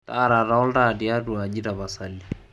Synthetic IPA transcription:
ta˦˨ɾa˨ɾa˨ɔ˦lda˦˨di˨a˦du˨a˨d͡ʒi˦ɾa˨ba˨sa˨li˨

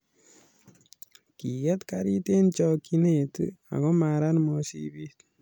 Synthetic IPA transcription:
ki˨jɛ˦t̪kaɾi˦t̪e˦nt͡ʃɔ˧ki˦ne˨t̪ṵ˦a̰˨ɡɔ˦ma˨ɾa˦nmɔ˦sḭbi˦t

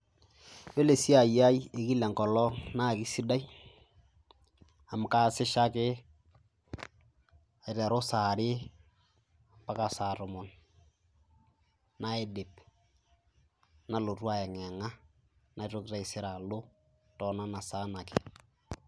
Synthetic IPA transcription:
jo˦le˨si˦a˨ja˦je˨ki˦lɛ˨ŋkɔ˨lɔ˦na˦˨kɪ˦si˦da˦j | a˨m˨ka˦sɪ˦ʃa˦kɪ˦ | a˨ɾɛ˨ɾo˦saː˨ɾɪ˦ | a˨mpa˦ka˨sa˨ɾʊ˨mʊ˨n | na˦e˦dɪ˨p | na˨lo˨twa˦ɛ˨ŋɛ˨ŋa˦ | na˨˦tʊ˦kta˦ɪ˨sɪ˦ɾa˨lʊ˦ | tɔ˨na˦na˨saː˦na˨kɪ̥˨

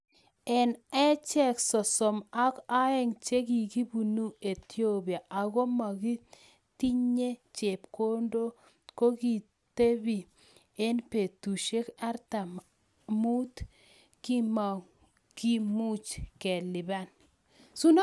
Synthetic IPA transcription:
ɛ˨nɛ˦t͡ʃɛ˦ksɔ˨sɔ˨ma˦ka˦ɛ˦ŋt͡ʃe˦ɡi˨ɡi˦bu˨nu˦e˨t̪o˦bi˨a˨ʔa˨ɡo˦ma˨ɡi˦ | ti˦ɲe˦t͡ʃe˨pko˦ndo˦ | ko˦ɡi˨ | te˦bi˨ | e˦npe˨tu˨ʃe˦ka˦ɾta˨m | mu˦t̪ | ki˦ma˨ | ki˦mu˦t͡ʃkɛ˨lɪ˨ba˦n | su˦n˦

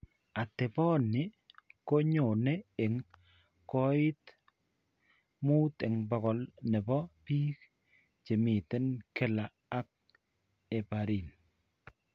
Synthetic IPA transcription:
a˨tɛ˨pɔ˦nɪ˦ | ko˦ɲo˨nɛ˦ɪ˨ŋ | kɔ˦ɪ˦t | mu˦tɪ˨ŋbɔ˨kɔ˨lnɛ˨bɔ˦piː˦k | t͡ʃe˨mi˨te˦nkɪ˦laː˨˦k̚ | e˨pa˨ɾi˨n

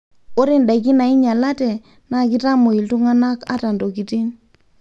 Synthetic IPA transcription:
o˦ɾi˦nda˨i˨k̬i˦na˨i˦ɲa˨la˦tɛ˨ | na˦˨k̬i˦ta˦mo˨i˨ltu˦ŋa˦na˦ka̰˦ta˨ndo˨ki˨ti˦n

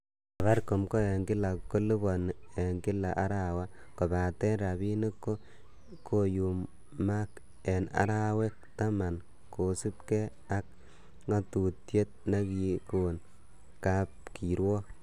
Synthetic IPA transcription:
a˨βa˦ɾko˨mko˦e˨ŋkɪ˦la˨ko˦li˦bɔ˨n˨e˨ŋkɪ˦la˨ʔa˦ɾa˦˨wa˦ | ko˨ba˨tɛ˦nɾa˨bi˦ni˦kːo˦ | kʰo˦ju˨mː | a˦k | e˨na̰˨ɾa˦we˦k̚ta˦ma˨n | ko˨su˦p̚ke˦ | a˦k̚ | ŋa˦tu˨tje˦t̚na˦kiko˨n | ka˦p̚ki˨ɾwɔ˦

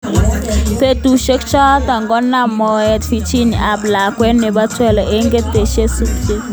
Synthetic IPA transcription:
te˦tu˨ʃe˦kt͡ʃɔ˦ta˨ŋɡɔ˦nːa˦mɔ˨ɛ˨tfi˨t͡ʃi˦ni˨a˨bla˨kwɛ˦ne˨ba˦twɛ˦˨lɔ˨ʔe˦ŋɡe˦te˨ʃe˦su˨tke˦

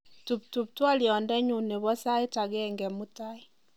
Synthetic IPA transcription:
tu˨p̚tu˨p̚twa˦liɔ˨ndɛ˦ɲu˨ne˨βɔ˦sa˦e˦taɣɛ˦ŋɡɛmu˦ta˦i˦

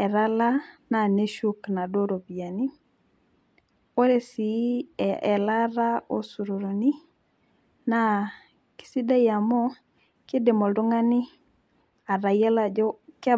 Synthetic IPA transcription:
ɛ˨ɾa˦la˦na˨ne˦ʃu˦kna˨do˦ɾo˨bja˨ni˦ | o˦ɾe˨si˨˦ɛ˨la˦ɾa˦o˨su˨ɾo˨ɾo˨ni˦ | na˨ | ki̥˨si˦da˦ja˨mɔ˦ | ke˦de˨mɔ˨ldo˦ŋa˦nɪ˦ | a˨ɾa˨ja˦la˨d͡ʒɔ˦kɛ˦

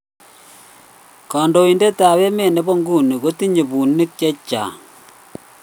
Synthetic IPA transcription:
kɔ˨ndo˨i˨nde˦ta˨we˦me˨ne˦bo˦ŋɡu˦˨ni˨ko˦ti˦ɲe˨bu˨ni˦k̚t͡ʃɛ˦t͡ʃːa̰˨

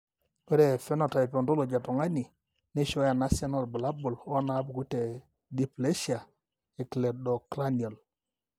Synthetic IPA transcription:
pɛ˦ɾɛ˨fɛ˦nɔ˨ta˨pɔ˨ndo˦lo˨d͡ʒa˨tɔ˨ŋa˦ni˨ | ne˦ʃɔ˦ja˨na˦sa˦nɔ˦˨lbla˦bu˨lɔ˦na˨˦bu˨ɡu˦tɛ˨ | di˦ple˦ʃi˦a˨ | ɛ˨klɛ˨dɔ˨kla˦n˨ɔ˨l

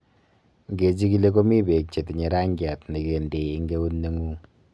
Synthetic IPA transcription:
ŋɡe˨t͡ʃi˦ki˦le˦ko˦mi˦be˨k̚t͡ʃe˨tɲe˨ɾa˦ŋɡja˨tni˨ke˨nde˨i˦ŋɡe˦u˦nːe˦ŋu˦ŋ

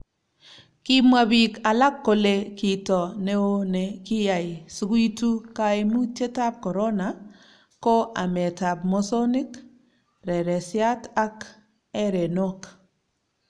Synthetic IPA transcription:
ki˦mwa˨bi˨ka˨la˦kːo˨le˦ki˨tɔ˨ne˦o˦ne˨kɪ˦ja˨ɪ˨sɡwi˦tu˦ka˦e˦mu˦t͡ʃe˦ta˦p̚kɔ˨ɾo˦na˨ | ko˦ʔa˨me˨ta˨b̚mo˦so˦ni˦k | ɾɛ˨ɾɛ˨sja˦ta˦k | ɛ˦ɾe˨no˦k

